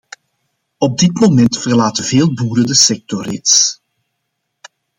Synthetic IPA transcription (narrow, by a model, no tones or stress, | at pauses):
ɔb̚dɪtmomɛntfərlaːtəveːlˠbuːɾədəsɛk̚tɔrɪ̰ts